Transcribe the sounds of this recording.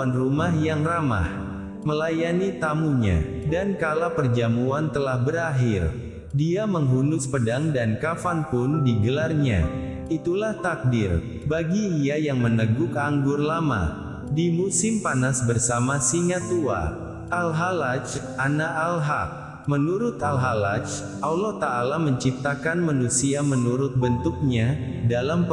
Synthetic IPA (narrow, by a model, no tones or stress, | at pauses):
anrumaɦjaŋrama̰h | məlajanit̪amuɲa̰dankalapərd͡ʒamuant̪əlahbəɾaɦɪr | diaməŋɦunʊspədaŋdankafanpʊndiɡəlarɲa̰ | it̪ulaht̪ak̚dɪr | baɡiːajaŋmənəɡʊkaŋɡʊrlama̰ | dimusɪmpanasbərsamasiŋat̪ua̰ | ʔalɦalat͡ʃʔanaʔalɦak̚ | mənuɾʊt̪alɦalat͡ʃ | ʔawlɔt̪aːlaməɲt͡ʃip̚t̪akanmanusiamənuɾʊt̪̚bənt̪ʊk̚ɲadalamp